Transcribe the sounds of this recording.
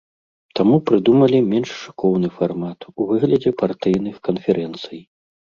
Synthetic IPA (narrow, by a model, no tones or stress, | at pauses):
t̪amupɾɨd̪umɐlʲimʲɛnʂʂɨ̥kɔwnɨfarmat̪uvɨɣlʲɐd͡zʲɛpart̪ɨjnɨxkɐnfʲɛɾʔɛnt̪sɨj